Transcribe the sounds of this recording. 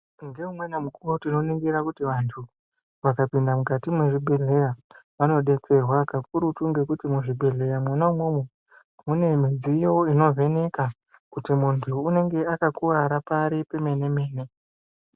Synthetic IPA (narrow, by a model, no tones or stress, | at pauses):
ndeumwe̞nemukuwotino̞niŋɡiɾakutiʋantʰu | ʋakapindamukatimwe̞ʐibʱe̞ɮe̞jaʋano̞ɗe̞t͡se̞rwakakuɾutuŋɡe̞kutimuʐibʱe̞ɮe̞jamwanaumwomwe | mune̞mid͡zijoino̞ve̞ne̞ka | kutimuntʰuːne̞ŋɡe̞akakuʋaɾapaɾipe̞me̞ne̞me̞ːne̞